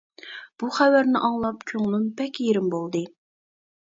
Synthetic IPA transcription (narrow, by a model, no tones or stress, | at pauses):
b̥uχæwæɾnɪʔɑŋlˠɑpt͡ʃʲʰoŋlˠumpɛkʲjeɾɪmbolˠd̪ɨ